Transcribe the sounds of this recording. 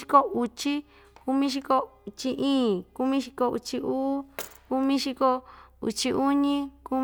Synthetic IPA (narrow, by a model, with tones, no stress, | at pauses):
i˧˦ko˦u˧t͡ʃi˦ | ku˧mĩ˦ʃ̬i˧ko˧u˧˨t͡ʃi˧ʔĩː˦˨ku˧mĩ˦ʃi˧ko˧ṵ˧t͡ʃi˧uː˦ku˦mĩ˦ʃi˧ko˧ṵ˧t͡ʃi˧ʔu˦ɲĩ˦ku˧